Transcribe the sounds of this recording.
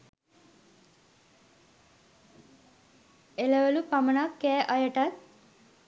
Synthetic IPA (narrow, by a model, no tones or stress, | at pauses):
eləʋəlupamənakːɛːʔɐjəʈat̪̚